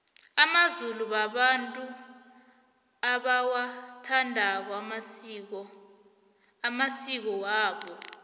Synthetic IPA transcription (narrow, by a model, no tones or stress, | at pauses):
amazuluɓaɓantʼu | aɓawatʰandʱak̬wam̬ɔ | amasik̬ɔwaːɓɔ